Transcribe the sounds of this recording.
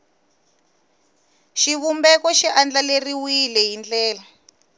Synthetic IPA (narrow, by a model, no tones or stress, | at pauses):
ʃiβumbɛkɔʃiʔand͡ɮaleriwilɛɦind͡ɮɛːla